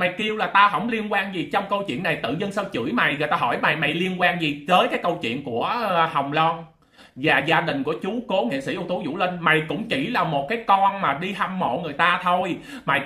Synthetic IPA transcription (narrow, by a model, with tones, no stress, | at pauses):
ma˨˩jki˧əwlaː˨˩t̪aː˧ɦə˧˩wŋ͡mli˧ənkwaː˧nzi˨˩t͡ɕɔ˧wŋ͡mkə˧wt͡ɕwḭ˧˨nːa˨˩jt̪ɨ̰˧˨zə˧nsə˧wt͡ɕɨ̰˧˩əjma˨˩jŋə̰ː˨t̪aː˧ɦɔ˧˩jma˨˩jma˨˩jli˧ənkwaː˧nzi˨˩təː˨˦jkaː˨˦jkə˧wt͡ɕwḭ˧˨ənku˧˩əhə˨˩wŋ͡mlɔ˧n | vaː˨˩zaː˧ɗï˨˩ŋ̟ku˧˩ət͡ɕu˨˦ko˨˦ŋḭ˧˨sḭ˧˩ʔu˧wt̪u˨˦zṵ˧˩lï˧ŋ̟ma˨˩jkʊ̰˧˥ŋ͡mt͡ɕi˧˩laː˨˩mo˨˩t̚kaː˨˦jkɔ˧nmaː˨˩ɗi˧ɦa˧mːo̰˧˨ŋɨ˨˩əjt̪aː˧t̪ʰo˧j | ma˨˩j